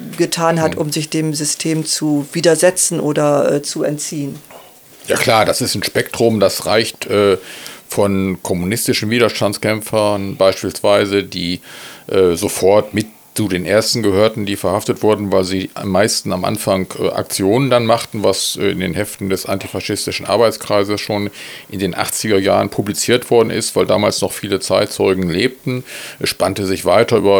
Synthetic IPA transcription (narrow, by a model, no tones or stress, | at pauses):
ɡətʰaːnɦatʔʊmzɪçd̥eːmzʏstʰeːmt͡suviːdɐzɛt͡sn̩ʔoːdɐʔɛ̰ːt͡suɛ̰ntt͡siːən | jaːkʰl̥aːɐdasɪstn̩ʃpɛk̚tʁ̥ʊmdasʁaɪçtʔɛːfɔnkʰɔmunɪstɪʃn̩viːdɐʃtantt͡skɛmfɐnbaɪʃpiːlsv̥aɪzədiːʔɛːzofɔɐtmɪt | t͡sudeːnʔeɐstn̩ɡəhøːɐtn̩diːfɛɐhaftətv̥ʊɐdn̩vaɪlziːmːaɪstn̩amʔa̰nfaŋkːʔa̰k̚t͡sjoːnəndanmaχtn̩vasɪ̰ndeːnhɛftn̩dɛsʔa̰ntifaʃɪstɪʃn̩ʔa̰ɐbaɪt͡skʁ̥aɪzəsʃoːnʔɪndeːnʔa̰χt͡sɪɡɐja̰ːʁənpʰublit͡siːɐtv̥ɔɐdn̩ʔɪ̰stv̥aɪlda̰ːmaːlsnɔχfiːlət͡saɪtt͡sɔʏɡŋ̩leːp̚tn̩ʔɛsʃpantəzɪçv̥aɪtɐʔyːbɐ